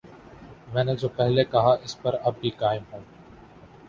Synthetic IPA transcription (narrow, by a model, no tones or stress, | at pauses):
mɛ̃ːned͡ʒoːpɛɦleːkɐɦaːʔɪspəɾɐb̚ʱːiːkaːɪmɦõː